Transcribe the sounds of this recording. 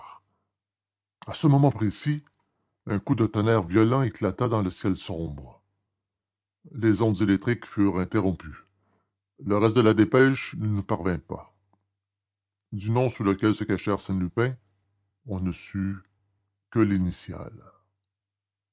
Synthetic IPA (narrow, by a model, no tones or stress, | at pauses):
asəmɔmɑ̃pʁesi | œ̃kud̪ət̪ɔnɛʁvjɔlɑ̃eklat̪ad̪ɑ̃ləsjɛlsɔ̃bʁ | lezɔ̃d̪zelɛk̚t̪ʁikfyʁɛ̃t̪eʁɔ̃py | ləʁɛst̪̚d̪əlad̪epɛʃnənupaʁvɛ̃pa̰ | d̪ynɔ̃suləkʲɛlsəkaʃɛaʁsɛ̃nlypɛ̃ | ɔ̃nəsy | kʲəlinisja̰l